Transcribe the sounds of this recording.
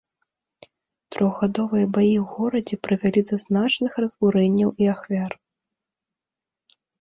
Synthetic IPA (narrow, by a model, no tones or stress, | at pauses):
t̪ɾʔɔɣɣad̪ɔvɨjɐbajiwɣɔɾɐd͡zʲɛpɾɨvʲalʲid̪ɐznat͡ʂnɨxrɐzɣuɾɛnʲːɐwiaxvʲar